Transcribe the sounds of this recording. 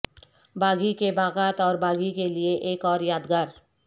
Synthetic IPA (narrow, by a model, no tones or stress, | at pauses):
bʱaːɡikebaːɣaːt̪ɔːɾbʱaːɡikelieʔeːkɔːɾjaːd̪ɡaːɾ